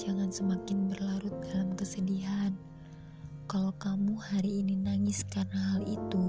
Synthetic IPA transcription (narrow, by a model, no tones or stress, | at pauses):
d͡ʒaŋansəmakɪnbərlaɾʊt̪̚dalamkəsədiɦan | kalokamuhaɾiːninaŋɪskarnaɦalit̪u